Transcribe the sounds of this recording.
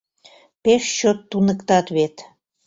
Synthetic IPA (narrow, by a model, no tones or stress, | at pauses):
peʃt͡ɕot̪ːunəkt̪ɑt̪βet̪